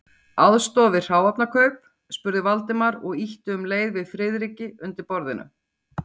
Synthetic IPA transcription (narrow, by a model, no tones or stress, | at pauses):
aðst̪ɔːvɪ̥r̥aːwapnakʰœɥp | spʏɾðɪvalt̪ɪmaɾɔɣiht̪ʏʏmleːjðvɪðfɾɪðɾiːcɪʏnt̪ɪɾpɔɾðɪ̰nʏ̰